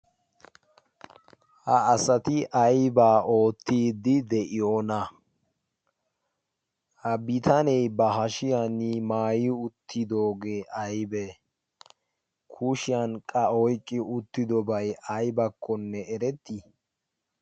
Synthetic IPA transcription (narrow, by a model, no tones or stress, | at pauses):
hɐːsɐt̪ɪʔɐjbaːʔo̞ːt̪ːiːd̪ɪd̪ɛʔɪjo̞ːnɐ | hɐbɪt̪ʰɐnɛjbɐɦɐʃɪjanɪmaːjiʊt̪ʰːɪd̪o̞ːɡeːʔɐjbe | kʰuʃɪjankʼɐɔjkʼːɪʊt̪ːɪd̪ɔbɐjʔɐjbɐkʰːɔnːɛɛɾɛt̪ːi